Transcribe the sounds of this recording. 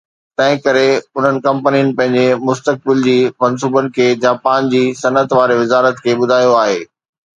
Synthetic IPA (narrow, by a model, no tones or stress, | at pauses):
t̪ɐ̃ɦɪ̃kɐɾeʊn̤ənɪ̆kɐ̃mpənijʊnɪ̆pɐ̃ɦɪ̃ɲd͡ʑemʊst̪ək̚bɪld͡ʑiːmɐns̬uːbənɪ̆kʰeːd͡ʑaːpãːnd͡ʑiːsɐnət̪ʋaːɾeʋɪzaːɾət̪kʰeːɓʊd̪ʱaːjoaːɦeː